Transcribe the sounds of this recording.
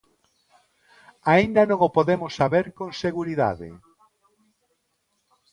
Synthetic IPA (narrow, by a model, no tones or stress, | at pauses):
aind̪ɐnõŋopoðemʊsːaβeɾkõŋseɣuɾiða̰ðɪ̰